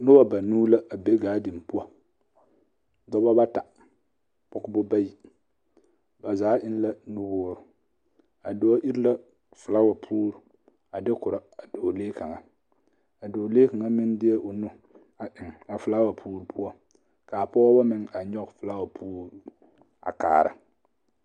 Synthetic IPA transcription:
nʊ˦wa˦ba˨nuː˦la˦a˨be˦ɡaː˦dɪ˨m˨pʊ˦ɔ˦ | dɔ˦ba˦ba˦ta˨ | pʊ˦kbʊ˦ba˦ji˨ | ba˨zaː˨˦ʔɪ˦n˦la˦nu˦bʊː˦ɾʊ˨ | a˨dʊ˦a˦ʔi˦ɾla˦ | fʊ˨la˦wa˨pʰuː˦ɾu˨ | a˨dɪ˦kʊ˨ɾa˨a˨dɪ˨o˨leː˦ka˨ŋa˨ | a˨dɪ˨o˨leː˦ka˨ŋa˦mɪ˦n˦dɪ˦ɛ˦ʔʊ˨nʊ˦ | a˨ʔɪ˨ŋ˨a˨fʊ˨la˦wa˨pʰuː˦ɾu˦pʰu˦ɔ˦ | ka˨pɔ˦ba˦mɪ˦˨ŋa˨ɲɔ˦kfʊ˨la˦wa˨pʰuː˦ɾ | a̰˨ka̰ː˨ɾa̰˨

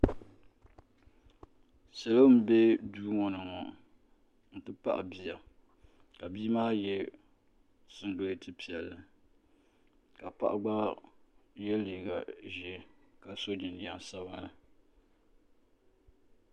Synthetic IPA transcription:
sɛ˨lo˦m̩˦be˦duː˦ŋɔ˨nɨ˨ŋɔ˨ | n̩˨tɨ˦pa̰˦ʔa̰˨bi˦ja˨ | ka˨biː˦maː˦jɛ˦ | sɨ˨n˦do˦tɨ˦pi˨ɛ˨lːɨ˨ | ka˨pa˦ʔa˨ɡ͡ba˦ | jɛ˦li˨ɡa˨ʒɛ˦ka˨so˦d͡ʒɪ˨n˨da˨ŋ˨sa˦βa˦la˨

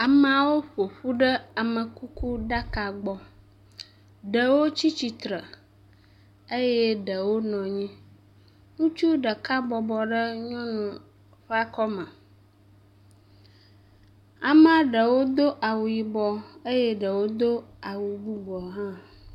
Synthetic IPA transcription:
a˨m˨a˨wo˦ɸo˨ɸu˦ɖə˦a˨mə̃˨ku˦ku˦ɖa˦ka˨ɡ͡bɔ˨ | ɖə˨wo˦t͡ɕi˦t͡ɕi˨t̪ɾə˨ | e˦jɛ˦ɖə˨wo˦nɔ̃˨ɲĩ˦ | ŋũ˦t͡ʃu˦ɖə˨ka˦bɔ˨bɔ˨ɖə˦ɲɔ̃˦nũ˨ | ɸa˦kɔ˦mə̃˨ | a˨mã˦ɖə˨wo˦d̪o˦ʔa˨wu˨ji˨bɔ˨ə˦jɛ˦ɖə˨wo˦d̪o˦a˨wu˨bu˦ɡ͡bɔ˨ɦã˦

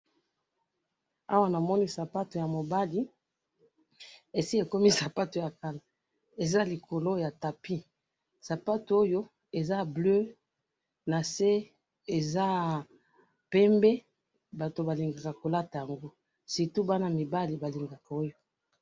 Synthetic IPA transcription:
a˦wa˦na˨mɔ˦ni˦sa˨pa˦to˨ja˨mo˨ba˦li˦ | e˨si˦e˨ko˦mi˦sa˨pa˦to˨ja˨ka˦la˨ | e˨za˦li˨ko˨lo˦ja˨ta˨pi˦ | sa˨pa˦to˨˦o˦jo˦ | e˨za˦blø˦ | na˨se˦ | e˨za˦ | pɛ˦mbɛ˦ | ba˨to˨ba˨li˨ŋɡa˨ka˨ko˨la˦ta˨ja˨ŋɡo˦ | si˨tu˦ba˦na˦mi˨ba˦li˨ba˨li˨ŋɡa˨ka˨o˦jo˦

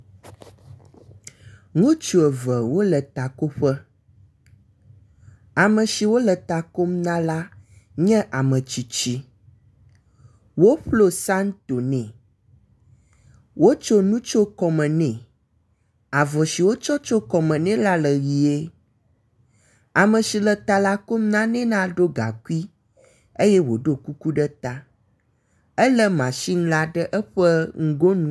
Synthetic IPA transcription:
ŋũ˦t͡ʃu˨ɛ˨və˨wo˦lə˨t̪a˨ko˦ɸɛ˦ | a˨mə̃˨ʃi˨wo˦lə˨t̪a˨ko˦mnã˦la˦ɲɛ̃˦ʔa˨mə̃˨t͡ʃi˨t͡ʃi˦ | wo˦ɸlo˦sa˦nt̪o˨nɛ̃˨ | wo˦t͡ʃo˦nũ˦t͡ʃo˦kɔ˨mə̃˨nɛ̃˨ | a˨vɔ˨si˨wo˦t͡ʃɔ˦t͡ʃo˦kɔ˨mə̃˨nɛ̃˦la˦lə˨ɣi˨e˦ | a˨mə̃˨si˨lə˨t̪a˨la˦ko˦m˦nã˦nɛ̃˦nã˦ɖo˦ɡa̰˨ku˦i˦ | e˦jɛ˦wo˨ɖo˦ku˦ku˦ɖə˦t̪a˦ | ə˦lə˦mã˨ʃi˦ŋ̩˦la˦ɖə˦ʔɛ˦ɸə˦ŋ̩˦ɡo˦nũ˦

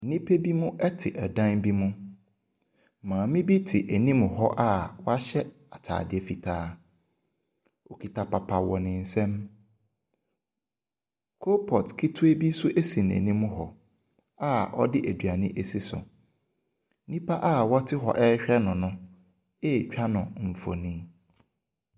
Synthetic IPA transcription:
nĩ˦pʰe˦bi˦mʊ̃˦ʔɛ˦tʰɪ˨ʔɛ˨dã˦nbi˦mʊ̃˦ | mãː˨mɪ̃˦bi˦tʰɪ˨ʔe˨nĩ˦m˨ɦɔ˦ʔa˦wɔ˦a˦ɕɛ˦ | a˨tʰa̰ː˨dɪ˦˨ɛ˨fi˨tʰaː˦ | o˨kʰi˨tʰa˨pa˨pʰa˨wɔ˨nɪ̃˨n̩˨sɛ̃˦m | kʰo˦pʰɔ˨tkʰi˦tʰu˦e˦bi˦sʊ˦ʔe˦si˨n˨æ̰˨nĩ˦mʊ˦ɦɔ˨ | a˦ɔ˦dɪ˦ʔæ˨dɥa˨nɪ̃˦ʔe˨si˦sʊ̰˨ | nĩ˦pʰa˦ʔa˦˨wɔ˦tʰɪ˦ɦɔ̰˨ʔɛ˦ɕᶣɛ˦nʊ̃˨nʊ̃˦ | e˦˨t͡ɕᶣʰa˦nʊ̃˨ɱ̩˨fo̰˨nĩ˦

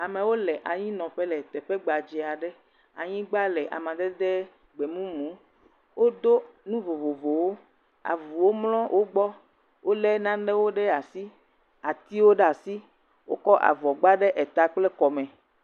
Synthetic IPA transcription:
a˨mẽ˨wo˦lɛ˨ʔa˨ɲĩ˦nɔ̃˨ɸɛ˦lɛ˨t̪ɛ˨ɸɛ˦ɡ͡ba˨d͡ʒi˨a˨ɖɛ˦ | a̰˨ɲĩ˦ɡ͡ba˦lɛ˨ʔa̰˨mã˨d̪ɛ˦d̪ɛ˦ | ɡ͡be˨mũ˦mũ˨˦ | wo˦d̪o˦nũ˦vo˨vo˨vo˨wo˦ | a̰˨vu˨wo˦mlɔ̃˦wʔo˦ɡ͡bɔ˦ | wo˦lɛ˦nã˦ɖɛ˦wo˦ɖɛ˦a˨si˦ | a˨t̪i˦wo˦ɖɛ˦a˨si˦ | wo̰˦kɔ˦ʔa̰˨vɔ˨ɡ͡ba˦ɖɛ˦ʔɛ˨t̪a˦k͡plɛ˦kɔ˨mɛ̃˨

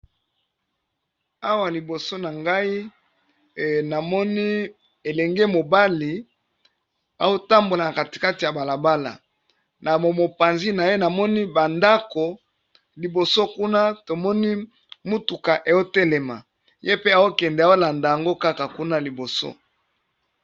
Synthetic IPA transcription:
a˦wa˨li˨bo˨so˦na˨ŋɡa˦i˦ | na˨mɔ˦ni˦ | e˨lɛ˨ŋɡe˦mo˨ba˦li˨ | a˨o˦ta˦mbo˨la˨na˨ka˨ti̥˨ka˦ti˨ja˨ba˨la˨ba˦la̰˨ | na˨mo˨mo˨pa˨nzi˦na˨je˦na˨mɔ˦ni˦ba˨nda˦ko˨ | li˨bo˨so˦ku˦na˦to˨mɔ˦ni˦ | mu˦tu˨ka˨ʔe˨jo˦tɛ˦lɛ˨ma˨ | je˦pe˦a˨o˦kɛ˨ndɛ˨a˨˦o˦la˨nda˨ja˨ŋɡo˦ka˦ka˨ku˦na˦li˨bo˨so̰˦

